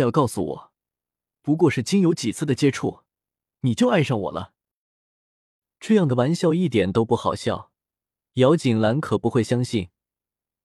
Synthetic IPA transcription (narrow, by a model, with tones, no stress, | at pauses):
jɑ˥˧ʊkɑ˥˩ʊsṵ˨˩wɔ̰˨˩˦ | pu˧˥k̬wɔ˥˧ʂɻ̩˥˩t͡ɕi˥ŋjo˧˥ʊt͡ɕi˨˩t͡sʰɹ̩˥˩d̪ə˩t͡ɕjɛ˥ʈ͡ʂʰṵ˥˩ | ni˨˩t͡ɕjo˥˧ʊa˥˧ɪʂɑ˥˩ŋwɔ̰˨˩lʔə̰˦ | ʈ͡ʂɤ˥˧jɑ˥˩ŋd̪ə˩wa˧˥nɕjɑ˥˧ʊi˥˩t̪jɛ˨˩nt̪o˥ʊpu˥˩xɑ˨˩ʊɕjɑ̰˥˩ʊ | jɑ˧˥ʊt͡ɕi˨˩ŋla˧˥nkʰɤ˨˩pu˧˥xwe˥˩ɪɕjɑ˥ŋɕi˥˩n